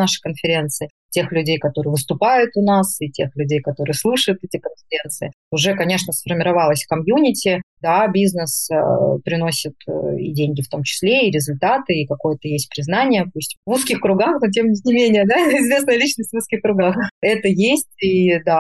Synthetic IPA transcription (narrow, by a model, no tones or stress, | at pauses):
naʂɨ̥kənfʲɪɾʲe̞nt̪sɨɪ | tʲe̞xlʲʉdʲejkɐt̪o̞ɾɨjəvɨst̪ʊpajʊt̪ʊnasitʲexlʲʉdʲejkɐt̪o̞ɾɨjəslˠuʂəjʊt̪ɛtʲɪkənfʲɪɾʲe̞nt̪sɨɪ | ʊʐɛkɐnʲe̞ʂnəsfərmʲɪɾɐvalˠəsʲfkɐmjunʲɪtʲɪd̪abʲiznəsəpɾʲɪno̞sʲɪt̪ḭdʲenʲɡʲɪft̪o̞mt͡ɕɪ̥sʲlʲeɪɾʲɪzʊlʲt̪at̪ɨikɐko̞jət̪əjesʲt̚ʲpɾʲɪznanʲɪjəpusʲtʲvuskʲɪxkɾʊɡaxnot̬ʲemʲɪtʲnʲɪmʲenʲɪjəd̪aɪzvʲe̞s̬nəjəlʲit͡ɕnəsʲtʲvuskʲɪxkɾʊɡaxɛt̪əjesʲtʲid̪a